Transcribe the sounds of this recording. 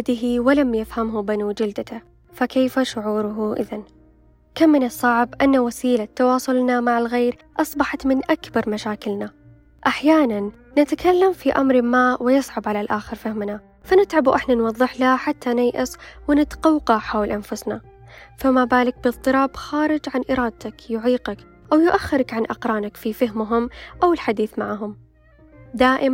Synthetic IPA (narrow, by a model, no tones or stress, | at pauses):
d̪ɪɦiwɪlamjɪfhamɦʊbanud͡ʒɪld̪at̪a | fakeːfaʃʊʕuːɾʊɦʊʔɪ̰ðan | kamːɪnɨsˤːɑʕbʔanːawasiːlat̪ːɑwɑːsˤʊlnamaʕalɣeːɾ | ʔɑsˤbɑħɑt̪mɪnʔakbɑɾˤmaʃaːkɪlna | ʔaħjaːnanː | ɪt̪akalːamfiʔa̰mɾmaːwɪjɨsˤʕabʕalalʔaːxɪɾfahmna | fanɪt̪ʕabuwʔɪħnanwɑðˤːɨħlaħat̪ʰːanajʔɪswɪnɪt̪qɑwqɑħaːwlʔanfʊsna | famabaːlɪk̚bɨt̪ˤːɨɾˤɑːbxaːɾɪd͡ʒʕanʔɪɾˤɑːd̪̚t̪akjʊʕiːqɑk | ʔawjʊʔaxːɪɾakʕanʔɑqɾˤɑːnakfifaɦmɦʊmʔawɪlħad̪iːθmaʕɦʊm | d̪aːʔɪm